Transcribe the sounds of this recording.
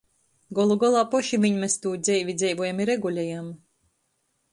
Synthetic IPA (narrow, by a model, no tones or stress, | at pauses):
ɡɔlˠuɡɔlˠaːpɔʃivʲiɲmest̪uːd̪zɛjvʲid̪zɛjvuːjamiɾɛɡulʲɛjam